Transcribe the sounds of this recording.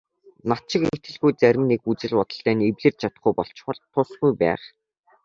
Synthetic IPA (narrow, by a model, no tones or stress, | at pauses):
nat̪t͡ɕɪ̆ket̪ɘ̆ɮɣujt͡sæɾʲɪ̆mnekut͡sɘ̆ɮʊt̪ə̆ɬt̪æːnewɮɘ̆rt͡ɕt͡ɕʰat̪ə̆χɡujpɔɬt͡ɕ̆χə̆ɮt̪ʰːʊsɡujpæ̰ːχ